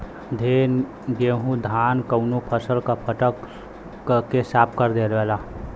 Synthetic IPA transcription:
d̪ʱeːn | beɦũd̪ʱaːnkəʊnupʰəsəlkapʰəʈək | kesaːp̚kəɾd̪eːlʋɛːlaː

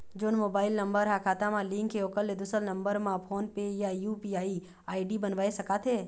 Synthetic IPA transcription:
d͡ʒoːnmoːbaːɪlnɐ̃mbəɾɦakʰaːt̪amãlɪ̃ŋkːeoːkəlːed̪usəɾnɐ̃mbəɾmãpʰoːnpejajuːpiaːi | aːɪɖibɐnʋaːesɐkat̪ʰeː

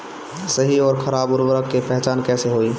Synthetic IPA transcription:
səɦiɔːɾkʰəɾaːbʊɾʋəɾəkːepɛɦt͡ʃaːnkɛːseɦoi

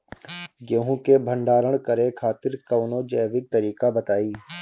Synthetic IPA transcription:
ɡeɦũkebʱə̃ɳɖaːɾəɽ̃kəɾekʰaːt̪ɪɾkɐʋnod͡ʒəːʋɪk̚t̪əɾiːkabət̪aːiː

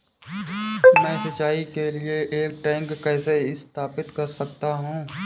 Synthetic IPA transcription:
mɛ̃ːsɐt͡ʃaːikelieʔeːk̚ʈɛ̃ːŋkːɛːseɪst̪ʰaːpɪt̪kɐɾsɐk̚t̪aɦũː

